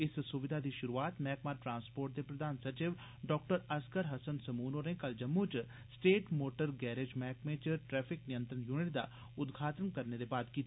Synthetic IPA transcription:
ɪssʊʋɪd̪ʱad̪iːʃʊɾuaːt̪mɛːkmaːɾʈɾãːnspoːɾʈ̚d̪epɾəd̪ʱaːnsɐɾt͡ʃɪʋ | ɖɔːkʈəɾɐskəɾɦɐsənsɐmuːnoːɾnẽkɐld͡ʒɐmːũt͡ʃ | sʈeːʈmoːʈəɾɡɛːɾed͡ʒmɛːkmẽːt͡ʃʈɾɛːpʰɪknɪjə̃nt̪ɾənjuːnɪʈ̚d̪a̰ | ʊd̪ɡʱaːt̪ənkɐɾned̪ebaːd̪kiːt̪

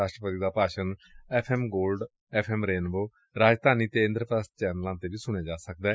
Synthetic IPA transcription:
aːʃʈɾəpət̪iːd̪aːpaːʃənɛːpʰɛːmɡoːlɖ | ɛːpʰɛːmɾeːnboː | ɾaːd͡ʒd̪ʱaːniːt̪eːɪ̃nd̪ɾəpɾəs̚t͡ʃɛːnəlãːnt̪eːbiːsʊɽ̃eːd͡ʒaːsəkd̪ɛː

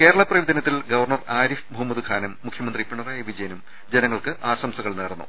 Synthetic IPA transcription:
keːɾɐɭɐprɐʋid̪ɐnɐt̪ːilɡɐʋɐrɳɐraːɾifbʱumɐðɨkʰaːnɐmːukʰjɐmɐnd̪ripːiɳɐraːjɐʋid͡ʑɐjɐnum | d͡ʑenɐŋːɐɭkɨʔaːsɐmsɐɣɐɭneːrnːṵ

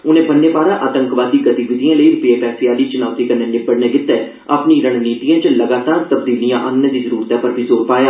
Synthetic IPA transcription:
ʊnẽːbənːeːbaːɾãːʔaːt̪ə̃ŋkʋaːd̪ːiːɡət̪iʋɪd̪ijãːləiːɾʊpjeːpɛːsɪjaːliːt͡ʃʊnaːt̪iːkəɾnẽːnɪbəɽneːɡɪt̪ːɛː | apniːɾəɽ̃niːt̪ijãːt͡ʃləɡaːt̪aːɾt̪əbd̪iːlijãːʔənːẽd̪iːzəɾuːɾt̪ãːpəɾbʱiːzoːɾpaːjaː

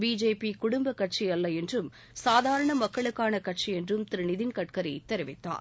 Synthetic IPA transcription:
biːd͡ʒeːpikʊɽʊmbɐkːɐʈ̚t͡ʃijɐlːɐɛndrɯm | saːðaːɾɐɳɐmɐkːɐɭɯkːaːnɐkɐʈ̚t͡ʃiɛndrɯmt̪ɪɾɪnɪðɪnkɐʈ̚kɐɾɐɪt̪ːɛɾɪʋɪt̪ːa̰ːɾ

